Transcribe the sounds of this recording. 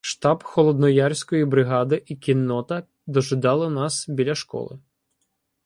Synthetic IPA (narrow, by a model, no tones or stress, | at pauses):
ʃt̪ɑbxɔlˠɔd̪nɔjarʲsʲkɔjibɾɪɦɑd̪ɪʔikʲinːɔt̪ɐ | d̪ɔʒɪd̪ɑlˠɪnɑsbʲilʲɐʃkɔ̰lˠɪ̰